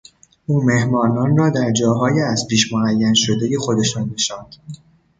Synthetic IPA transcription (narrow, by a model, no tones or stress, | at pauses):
ʔuːme̞hmɒːnɒːnrɒːd̪æɾd͡ʒɒːɦɒːjeæzpʰiːʃmoæjːænʃod̪eje̞xo̞d̪e̞ʃɑːnːeʃɒːnd̪̥